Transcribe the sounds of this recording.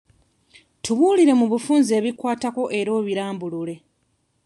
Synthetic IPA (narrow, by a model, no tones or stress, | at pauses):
tuβuːliɾe̞muβufuːnze̞ːβikwaːtako̞ʔe̞ɾo̞ːβiɾaːmbulule̞